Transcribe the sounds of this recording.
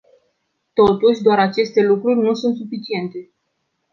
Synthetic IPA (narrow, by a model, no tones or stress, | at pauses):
t̪o̞t̪uʃʲd̪oaɾat͡ʃe̞st̪e̞lukɾurʲnusunt̪sufit͡ʃie̞nt̪e̞